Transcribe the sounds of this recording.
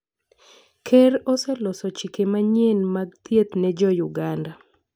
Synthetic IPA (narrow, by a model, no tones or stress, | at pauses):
kʰɛɾɔsɛlɔsɔt͡ʃikemaɲenmaɡ̚t̪ʰjet̪nɛd͡ʒɔjuɡanda